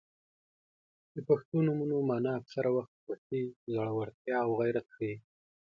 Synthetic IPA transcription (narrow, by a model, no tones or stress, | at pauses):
d̪əpaxt̪onumunomɑnɑaksaɾawaxt̪̚wasizaɽawaɾt̪jɑːwɣajɾat̪̚kai